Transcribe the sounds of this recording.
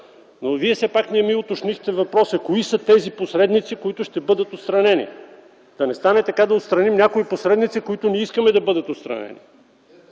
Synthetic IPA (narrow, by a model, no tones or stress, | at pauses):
noviɛfsɛpakniɛmiɛʊt̪oʃnixt̪ɛvɐpɾɔsɐkoisɐt̪ɛziposɾɛd̪nit̪sikoit̪ʊʃt̪ɛbɤd̪ət̪ot̪st̪ɾɐnɛnḭ | d̪̥ɐnɛst̪anɛt̪ɐkad̪ɐot̪st̪ɾɐnimnʲakoiposɾɛd̪nit̪sikoit̪ʊniiskəmɛd̪ɐbɤd̪ət̪ot̪st̪ɾɐ̰nɛ̰nḭ